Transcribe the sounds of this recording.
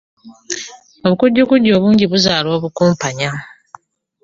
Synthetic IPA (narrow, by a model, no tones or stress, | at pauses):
o̞βukuɟːukuɟːo̞ːβuːɲɟiβuzaːlwoːβukuːmpaɲa